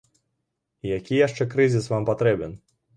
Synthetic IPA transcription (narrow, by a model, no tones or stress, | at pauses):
ijakʲijaʂt͡ʂɛkɾɨzʲisvampat̪ɾɛbɛn